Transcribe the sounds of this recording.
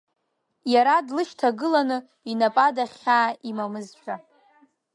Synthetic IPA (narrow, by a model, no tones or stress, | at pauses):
jaɾadlɨʃtʰaɡɨlanɨ | inapʼadaχʲaːimamɨzʃʷᶣʰa